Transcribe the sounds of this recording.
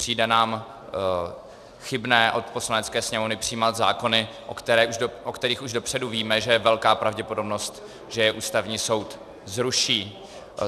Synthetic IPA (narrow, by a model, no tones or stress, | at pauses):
pr̝̥iːdɛnaːm | xɪbnɛːʔo̞t̪po̞slanɛt͡skɛːsɲɛmovnɪpr̝̥ɪjːmat̪za̰ːko̞nɪ | ʔokt̪ɛɾɛːʔuʒʔokt̪ɛɾiːxuʒdo̞pr̝̥ɛduviːmɛʒɛjɛvɛlkaːpɾavɟɛpo̞dobno̞st̪ | ʒ̥ɛjɛʔuːst̪avɲiːso̞wt̪ | zɾuʃiː